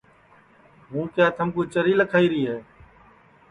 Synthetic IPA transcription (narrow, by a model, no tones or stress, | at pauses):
ɦũːkjaːt̪ʰəmkuːt͡ʃəɾiːləkʰaːiːɾiːɦɛː